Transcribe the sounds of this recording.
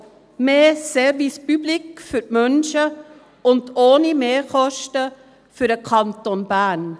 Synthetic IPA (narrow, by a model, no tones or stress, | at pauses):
meːsɛɾvispyblɪkfʏɾtmœnʃə | ʊndoːnimeːkɔʃtə | fyɾəkʰɑnt̪onbæːn